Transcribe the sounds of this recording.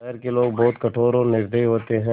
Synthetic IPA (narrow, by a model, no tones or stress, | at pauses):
ɛɦɾkeloːɡ̚bɔːʊt̪kɐʈʰoːɾõnɪɾd̪ʱəiɦoːt̪eɦɛ̃